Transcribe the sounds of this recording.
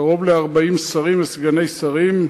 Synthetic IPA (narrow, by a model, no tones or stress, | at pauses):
ʁo̞vleaʁbaimsaʁimesɡane̞jsaʁim